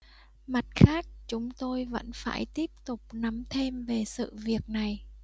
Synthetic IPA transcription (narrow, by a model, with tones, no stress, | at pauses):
ma˨˩t̚xaː˦˥k̚t͡ɕʊ˨˦ŋ͡mt̪o˧jvə̰˧˥nfa̰ː˧˩jt̪i˦˥əp̚t̪ʊ˨˩k͡p̚na˨˦mt̪ʰe˧mve˨˩sɨ̰˧˨vi˨˩ək̚na˨˩j